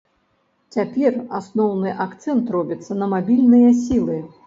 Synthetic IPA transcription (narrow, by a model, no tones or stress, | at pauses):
t͡sʲapʲɛrasnɔwnɨʔakt̪sɛnt̪rɔbʲit̪sːɐnɐmabʲilʲnɨjɐs̬ʲilˠɨ